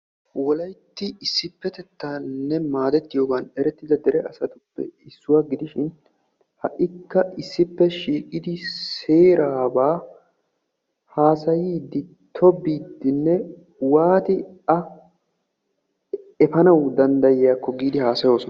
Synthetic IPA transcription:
wɔlɐjt̪ːɪɪsːɪpːɛt̪ɛt̪ːaːnːɛmaːd̪ɛt̪ːɪjo̞ːɡanɛɾɛt̪ːɪd̪ɐd̪ɛɾɛɐsɐt̪ʊpːɛ̰ɪsːʊwaːɡɪd̪ɪʃɪn | hɐʔɪkːɐɪsːɪpːɛʃiːkʼɪd̪ɪseːɾaːbaː | haːsɐjiːd̪ɪt̪ʰːɔbiːd̪ːɪnːɛ | waːt̪ɪɐ | ɛfɐnɐwd̪ɐnd̪ɐjɪjaːkːɔɡiːd̪ɪhaːsɐjo̞ːsɔ

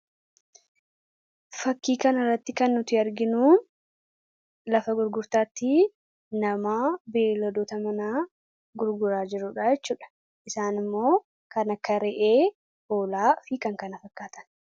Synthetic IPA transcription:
fɐkːiːkɐnɐrːɐt̪ːɪkɐnːʊt̪ɪɐɾɡɪnuː | lɐfɐɡʊɾɡʊɾt̪aːt̪ːi | nɐmaːbeːlɔd̪oːt̪ɐmɐnaː | ɡʊɾɡʊɾaːd͡ʒɪɾuːᶑaːjɛt͡ʃːuːᶑɐ̥ | ʔɪsaːnɪmːo̞ː | kɐnɐkːɐɾɛʔeː | hoːlaːfiːkɐŋkɐnɐfɐkːaːt̪ɐ̥n

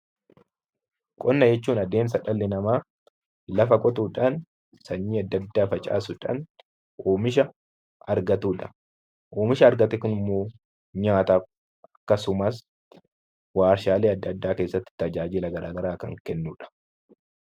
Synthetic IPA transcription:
kʼɔnːɐd͡ʒɛt͡ʃːuːnɐd̪e̞ːms̬ɐᶑɐlːɪnɐmaː | lɐfɐkʼɔt̪uːᶑɐn | sɐɲːiːɐd̪ːɐd̪ːaːfɐt͡ʃʼa̰ːsʊᶑɐ̰n | ʔoːmɪʃ̬ɐ | ɐɾɡɐt̪uːᶑɐ | ʔoːmɪʃɐːɾɡɐt̪ɛkʊnɪmːo̞ː | ɲaːt̪a | ɐkːɐsʊmɐs | waːɾʃaːleːɐd̪ːɐd̪ːaːke̞ːsːɐt̪ːɪ̥t̪ɐd͡ʒaːd͡ʒɪlɐɡɐɾʔaːɡɐɾaːkɐŋkɛnːuːᶑɐ̥

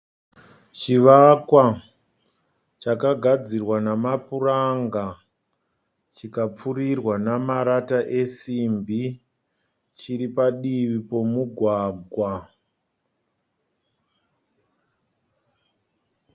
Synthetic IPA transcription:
t͡ʃiʋakwa | t͡ʃakaɡʱad͡zirwanamapuraŋɡa | t͡ʃikap͡furirwanamaɾataʔesimbi | t͡ʃiɾipaɗiʋipo̞muɡʱwaːɡʱwa

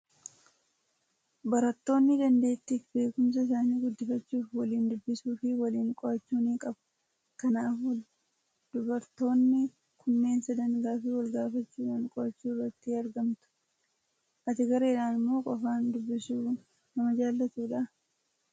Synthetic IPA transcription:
bɐɾɐt̪ːo̞ːnːɪd̪ɐnd̪e̞ːt̪ːɪfbe̞ːkʊms̬ɐɪs̬aːniːɡʊd̪ːɪfɐt͡ʃːuːfwɐliːnd̪ʊbːɪsuːfɪwɐliːŋkʼɔʔɐt͡ʃːuːniːkʼɐb | kɐnaːf | d̪̥ʊbɐɾt̪o̞ːnːɪ | kʰʊnːe̞ːnsɐd̪ɐnɡaːfiːwɐlɡaːfɐt͡ʃːuːᶑaːŋkʼɔɐt͡ʃːuːrːɐt̪ːɪɐɾɡɐmt̪ʊ̥ | ʔɐt̪ɪɡɐɾeːᶑaːnɪmːo̞ːkʼɔfaːnd̪ʊbːɪsuː | nɐmɐd͡ʒaːlːɐt̪uːᶑa

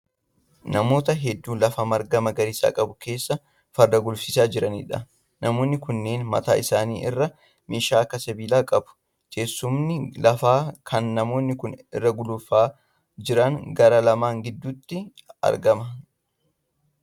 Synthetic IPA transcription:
nɐmo̞ːt̪ɐɦɛd̪ːuːlɐfɐmɐɾɡɐmɐɡɐɾɪsa̰ːkʼɐbʊke̞ːsːɐ | fɐɾd̪ɐɡʊlfɪsaːd͡ʒɪɾɐnḭᶑɐ | nɐmo̞ːnːɪkʊnːe̞ːnmɐ̰t̪a̰ːɪsaːnḭːʔɪ̰rːɐ | meːʃaːkːɐsɐbiːlaːkʼɐbʊ̥ | ke̞ːsːʊmnɪlɐfaːkʰɐnːɐmo̞ːnːɪkʊnɪ̰rːɐɡʊlʊfaː | d͡ʒɪɾɐŋɡɐɾɐlɐmaːŋɡɪd̪ːʊt̪ːɪ | ɐ̰ɾɡɐmɐ

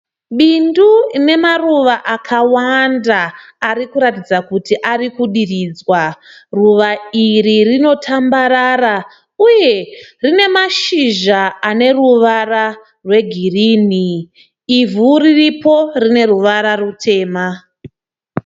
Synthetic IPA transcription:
ɓinduine̞maruʋaʔakʰawandaː | ɾikuɾatid͡zakutiʔarikuɗirid͡zwaruʋairirino̞tʰambaɾaɾa | uje̞rine̞maʃiʒaane̞ruʋara | rwe̞ɡʱiriːniː | vuriripo̞rine̞ruʋaɾarutʰe̞ːma

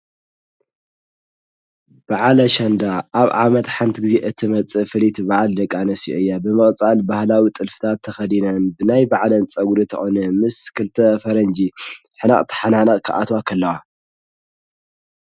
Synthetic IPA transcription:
b̥aʕlɐʃɐnd̪aʔaβʕamɐt̪ħant̪ʰɡɨzeʔɨt̪ʰimɐt͡sʼɨfɨlit̪ʰbaʕald̪ɐkʼːanɐsioɨjːabɨmɨχʼt͡sʼalbahlawit̪ʼɨlfɨ̥t̪ʰat̪ʰːɐxɐd̪inɐnbɨnajbaʕlɐnt͡sʼɐɡɾit̪ʰɐxonɐmɨskʰɨlt̪ʰɐfɐɾɐnd͡ʒi | ħɨna̰χʼt̪ʰɨ̥ħananɐχʼkʰɨ̰ʔa̰t̪wakʰɐlːɐwa

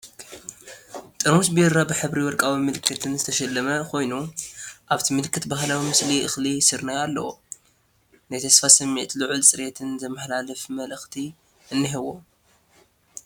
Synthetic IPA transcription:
t̪ʼɨɾumsbiɾabɨħɨβɾiwɔɾkʼawimɨlɨkʰːɨt̪ʰɨnzɨt̪ʰɐʃɐlːɐmɐkʰo̞jnuʔaβt̪ʰimɨlɨkʰːɨt̪bahlawimɨsliʔɨxlisɨɾnajalːɐ̰wo | najt̪ʰɐsfasɐmːiʕt̪ʰlɨʕult͡sʼɨɾet̪ʰɨnzɐmɨħlalɨfmɐlɨxt̪ʰi | ʔɨnːiɦɨwo

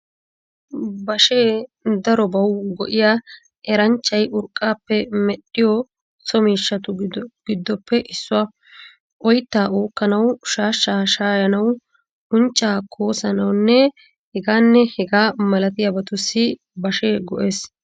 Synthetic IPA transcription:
bɐʃeːd̪ɐɾɔbɐwɡɔ̰ʔɪjaː | ɛɾɐnt͡ʃːɐjʔʊɾkʼːaːpːɛmɛɗɪjɔ | sɔmiːʃːɐt̪ʊɡ̥ɪd̪ːɔpːɛʔɪsːʊwa | ʔɔjt̪ːaːʔoːkːɐnɐwʃaːʃːaːʃaːjɐnɐw | ʔʊnt͡ʃʼːaːkʰoːsɐnɐwnːɛ | hɛɡaːnːɛhɛɡaːmɐlɐt̪ɪjabɐt̪ʊsːɪ | bɐʃeːɡɔʔe̞ːs

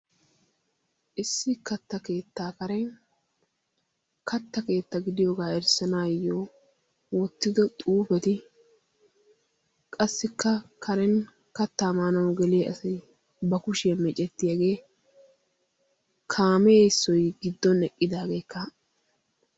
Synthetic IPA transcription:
ʔɪsːɪkɐt̪ːɐke̞ːt̪ːaːkɐɾɛ | kʰɐt̪ːɐke̞ːt̪ːɐɡɪd̪ɪjoːɡaːɛɾsɐnaːjːoː | wɔt̪ːɪd̪ɔt̪ʼuːfɛt̪ɪ | kʼɐsːɪkʰːɐkʰɐɾɛn | kɐt̪ːaːmaːnɐwɡɛlijeɐ̰sɐj | bɐkʊʃɛːmɛt͡ʃʼɛt̪ːɪjɐɡe̞ː | kʰaːmeːɪsːɔjɡɪd̪ːɔnɛkʼːɪd̪aːɡe̞ːkʰːɐ

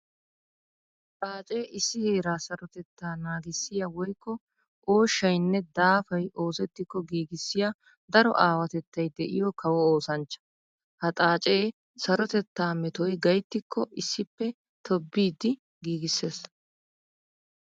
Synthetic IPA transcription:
t̪ʼaːt͡ʃʼe̞ːʔɪsːɪheːɾaːsɐɾɔt̪ɛt̪ːaːnaːɡɪsːɪjawɔjkːɔ | ʔoːʃːɐjnːɛd̪aːfɐjʔo̞ːsɛt̪ːɪkːɔɡiːɡɪsːɪja | d̪ɐɾɔ̰ʔaːwɐt̪ɛt̪ːɐjd̪ɛʔɪjɔkʰɐwɔoːsɐnt͡ʃːɐ̥ | hɐt̪ʼaːt͡ʃʼe̞ː | sɐɾɔt̪ɛt̪ːaːmɛt̪ɔjɡɐjt̪ːɪkːɔʔɪsːɪpːɛ | t̪ʰɔbːiːd̪ɪ | ɡiːɡɪsːe̞ːs

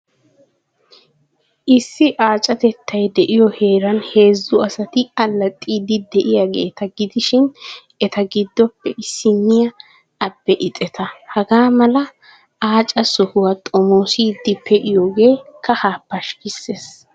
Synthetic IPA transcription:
ʔɪsːɪʔaːt͡ʃʼɐt̪ɛt̪ʰːɐjd̪ɛʔɪjɔhe̞ːɾɐnhe̞ːzːʊɐsɐt̪ɪɐlːɐt̪ʼːiːd̪ɪd̪ɛʔɪjaɡe̞̰ːt̪ɐɡɪd̪ɪʃɪn | ɛt̪ɐɡɪd̪ːɔpːɛʔɪsːɪnːɪjɐ | ɐbːɛʔɪt̪ʼɛt̪ʰɐhɐɡaːmɐlɐ | aːt͡ʃʼɐsɔhʊwɐt̪ʼɔmoːsid̪ːɪpʰːɛʔɪjoːɡe̞ːkɐhaːpːɐʃkɪsːes

